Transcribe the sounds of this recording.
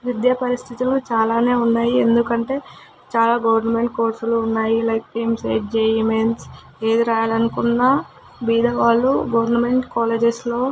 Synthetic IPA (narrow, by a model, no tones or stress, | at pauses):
ʋid̪japɐɾist̪ʰit̪ilut͡ʃaːlaːne̞ːunːaːjiend̪ukɐɳʈe̞ː | t͡ʃaːlaːɡɐʋɐɾnɐme̞ɳʈ̚ko̞ːɾsluːnːaːjilɐjk̚ʈijmsḛːʈd͡ʒeːimens | eːd̪iɾaːjaːlɐnukunːɐ | biːd̪ɐʋaːlːuɡɐʋɐɾnɐme̞ɳʈkaːleːd͡ʒeslo̞ː